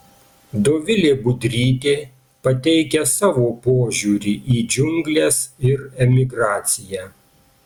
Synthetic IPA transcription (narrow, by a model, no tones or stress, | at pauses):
d̪oːʋʲɪlʲeːbʊd̪ʲɾʲiːt̪ʲeː | pɐt̪ʲɛɪkʲɛsɑːʋoːpoːʒʲuːɾʲiːʔiːd͡ʒʲʊŋʲɡlʲeːsɪɾɛmʲɪɡɾɑːt̪sʲɪjæː